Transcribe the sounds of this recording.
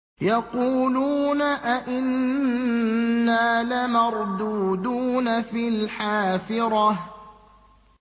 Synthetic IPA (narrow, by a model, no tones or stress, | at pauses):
jɑquːluːnaʔaʔɪn | aːlamɑɾˤd̪uːd̪uːnafilħaːfɪɾˤɑ